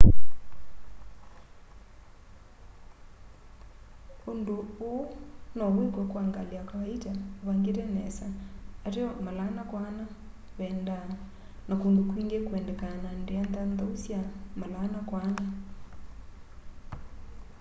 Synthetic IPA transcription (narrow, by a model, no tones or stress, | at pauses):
ondoonɔβwekwɔkwaŋɡaleakaβaitaoβaŋɡeɾɛnɛsaːɾeɔmalanakwana | βɛːnda | nakondokwiːŋɡekwɛndɛkanandeandandausjamalanakwana